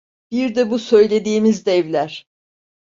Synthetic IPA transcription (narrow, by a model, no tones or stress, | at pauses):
b̥iɾd̪ɛbusø̞jlʲe̞d̪iːmizd̪ɛvlʲæɾ̥